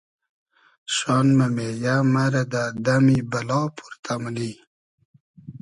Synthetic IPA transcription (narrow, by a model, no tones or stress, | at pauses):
ʃɑnmamejamaɾad̪ad̪amibalɑːpʰu̥ɾt̪ʰamli